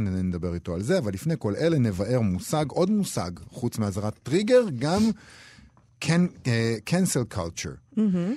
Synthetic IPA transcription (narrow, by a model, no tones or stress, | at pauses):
nenened̪abe̞ʁito̞alze̞avalːifneko̞lʔele̞nevaʔe̞ʁmusaɡʔo̞d̪musa̰ɡχut͡smeazaʁatːʁiɡe̞ʁɡam | kʰenkʰenselkʰalt͡ʃṵʁ̩